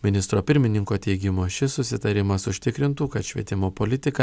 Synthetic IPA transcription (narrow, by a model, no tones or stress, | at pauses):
mʲɪnʲɪst̪ɾoːpʲɪɾʲmʲɪnʲɪŋkoːt̪ʲɛɪɡʲɪmoʃʲɪsʊsʲɪt̪ɐɾʲɪmɐsʊʃʲt̪ʲɪkɾʲɪnt̪uːkɐt̪ʃʲʋʲiɛt̪ʲɪmoːpoːlʲɪt̪ʲɪkɐ